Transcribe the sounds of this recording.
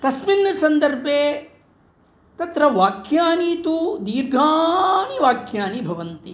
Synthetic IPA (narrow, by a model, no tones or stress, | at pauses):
t̪ɐsminːɐsɐnd̪ɐɾbʱeː | t̪ɐt̪ɾɐʋaːkʰjaːniːt̪ud̪iːɾɡʱaːniʋaːkʰjaːnibʱɐʋɐnt̪i